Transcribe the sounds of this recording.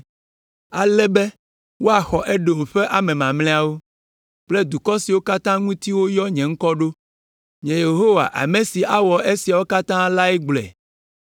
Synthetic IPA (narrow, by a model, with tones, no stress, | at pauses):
a˨lɛ˦bɛ˦ | wo˦a˨xɔ˨ʔɛ˦ɖo˨m˨ɸɛ˦ʔa˨mɛ̃˨mã˨ml̃ɛ̃˦a˨wo˦ | k͡plɛ˦d̪u˨kɔ˦si˨wo˦ka˦t̪ã˦ŋũ˦t̪i˦wo˦jɔ˦ɲɛ̃˨ŋ̩˦kɔ˦ɖo˦ | ɲɛ̃˨je˨ɦo˦wa̰˨ʔa̰˨mẽ˨si˨ʔa˦wɔ˨e˦si˨a˨wo˦ka˦t̪ã˦la˦ɛ˦ɡ͡blɛ̰˨